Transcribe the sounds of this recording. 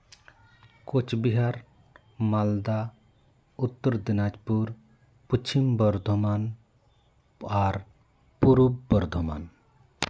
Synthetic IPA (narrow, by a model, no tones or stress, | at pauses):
kot͡ʃʰbiɦaɾ | mald̪a | ut̪ːəɾd̪inad͡ʒpuɾ | put͡ʃʰimbəɾd̪ʱoman | aɾ | puɾubːəɾd̪ʱoma̰n